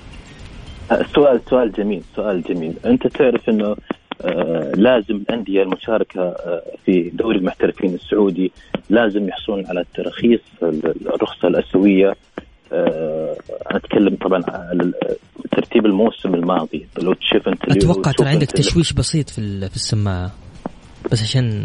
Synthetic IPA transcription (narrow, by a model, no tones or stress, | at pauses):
sːʊʔaːlsʊʔaːld͡ʒamiːlsʊʔaːld͡ʒamiːlʔɪnt̪at̪ɪʕɾɪfʔɪnːʊ | laːzɪmɪlʔand̪ɪjalmʊʃɑːɾˤɑkʰafid̪oːɾɪlmʊħt̪aɾɪfiːnɪsːʊʕuːd̪ilaːzɪmjʊħsˤuːnʕalat̪ːɑɾˤɑxiːsˤɪrˤːʊxsˤɑlʔasawɪjːa | at̪kʰalːamt̪ˤɑbʕɑnʕlat̪ːɑɾˤt̪iːbɪlmoːsɪmɪlmɑːðˤilawt̪ʃuːfʔɪnt̪aʔawɑqːɑʕt̪ɑɾˤɑʕɪnd̪akt̪aʃwiːʃbɑsiːt̪ˤfifisːamːaːʕ | b̥as̬ːʕaʃaːn